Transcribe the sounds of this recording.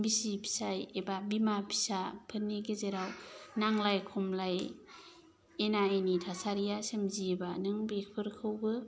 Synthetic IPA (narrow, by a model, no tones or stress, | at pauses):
bisipʰi̥sajebabimapʰi̥sapʰɯnːiɡezeɾawnaŋlajkʰɔmlaj | enaenitʰasaɾijasemziebanɯŋbek̚pʰɯɾkʰɯwɡɯ